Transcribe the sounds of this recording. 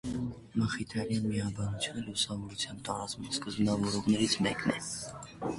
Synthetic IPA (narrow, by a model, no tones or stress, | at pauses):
məχit̪ʰɾɑljɑnmiɑbɑnut͡sʰjunəlusɑmɔɾut͡sʰjɑmt̪ɑɾɑt͡smunskəzbnɑvɔɾɔʁnɛɾit͡sʰmɛknɛ̰